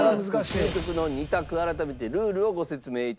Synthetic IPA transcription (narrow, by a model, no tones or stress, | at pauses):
ek̪ʲokɯno̞ɲ̟ʲit̪akɯ̟aɾat̪ame̞t̪e̞ɾɯ̟ːɾɯ̟o̞ɡo̞se̞t͡sɨme̞ːit̪